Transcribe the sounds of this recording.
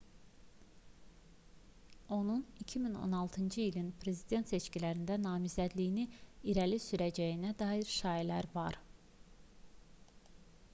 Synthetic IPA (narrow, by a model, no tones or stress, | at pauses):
o̞nunicʰimino̰nɑlˠt̪ʰɯnd͡ʒɯilinpʰɾe̞zid̪e̞nt̪se̞t͡ʃcilæɾind̪ænɑːmizæd̪lijiniiɾælisyɾæd͡ʒæjinæd̪ɑːiɾʃɑːjilæɾvɑɾ